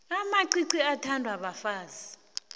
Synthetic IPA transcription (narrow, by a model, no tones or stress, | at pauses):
amaǀiǀiatʰandʱwaɓafaːzi